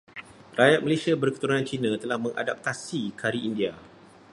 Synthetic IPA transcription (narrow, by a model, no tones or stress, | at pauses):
rajat̪̚məlesiabərkə̥t̪uɾunant͡ʃinãt̪əlahmə̃ŋʔa̰dap̚t̪asikʰaɾiindia